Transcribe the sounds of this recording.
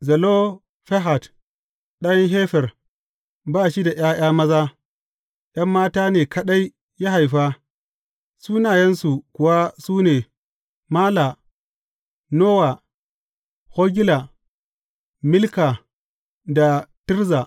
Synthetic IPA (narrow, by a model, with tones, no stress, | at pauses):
zɐ˨lo˦ | ɸe˦ɦa˨t | ɗa˦jɐ˦nɦeː˦ɸɛ˨r | baː˦˨ʃi˦da˨jaː˦j̰aː˦mɐ˦zaː˦ | j̰ɐ˦mːaː˦taː˦neː˨kɐ˦ɗa˦j | ja˦ɦa˨jɸa˦ | suː˦naː˨jɐ˦nsu˨kʷʊ˨wa˦suː˦neː˨ | maː˦la˨ | noː˦wa˨ | ho˦ɡʲi˦la˨ | mɪ˦lka˨ | da˨ti˦ɾza˨